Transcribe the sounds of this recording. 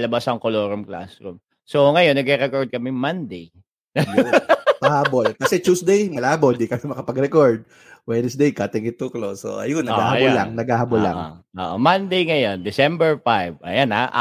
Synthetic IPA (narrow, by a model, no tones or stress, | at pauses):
lɐbasɐŋkoloːɾomkla̰sɾṵm | soŋɐjonːɐɡɛɾɛkoɹd̪̚kɐmɛmɐnd̪ej | nɐ | pɐhaːbolkɐsɛt͡ʃusd̪ejmɐlaːboɪnd̪ikɐmɛmɐkɐpɐɡɾɛkoɹd̪̚ | wɛnɛsd̪ejkat̪ɪŋɪt̪okloso̰ʔɐ̰jonːɐɡahɐɐjolːaŋnɐɡaːhɐbolːa̰ʔʔo̰ːʔo̰mɐnd̪ejŋɐjo̞nd̪ɪsɛmbɛɹfajvʔɐ̰jana̰ʔ